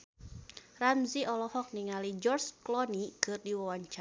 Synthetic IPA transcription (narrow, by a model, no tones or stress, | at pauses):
ramziʔɔlɔhɔk̚niŋalid͡ʒɔrsklɔnikɨrdiwawaɲt͡ʃa